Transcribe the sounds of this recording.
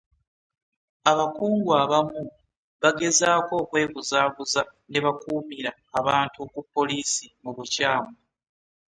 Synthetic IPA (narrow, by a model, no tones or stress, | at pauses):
aβakuːŋɡwaβamu | βaɡe̞zaːko̞ːkwe̞ːβuzaːβuzane̞βakuːmiɾaːβaːntukupːo̞liːsimuβucaːma